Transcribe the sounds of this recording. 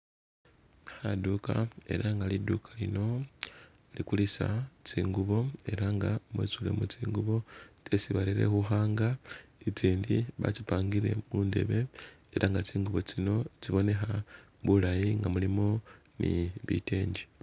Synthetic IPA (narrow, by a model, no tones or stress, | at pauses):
xaduka̰e̞̰ɾaŋɡalidukʰalino̞ | likulisa̰t͡siːŋɡuβo̞e̞ɾaŋɡamwḛt͡sule̞̰mut͡siːŋɡuβo̞t͡se̞siβaliɾe̞̰xuxaːŋɡait͡siːndiβa̰t͡sipaːŋɡiɾe̞̰muːnde̞̰βe̞eɾʔaŋɡat͡siːŋɡuβo̞t͡sino̞t͡siβo̞ne̞xa | βulajiŋɡamulimo̞ | nḭβḭte̞ːɲɟi